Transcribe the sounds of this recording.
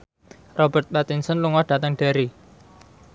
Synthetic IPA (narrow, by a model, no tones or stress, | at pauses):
rɔbərt̪̚ɓat̪insɔnluŋɔɖ̥a̤t̪əŋɖ̥e̤ɾi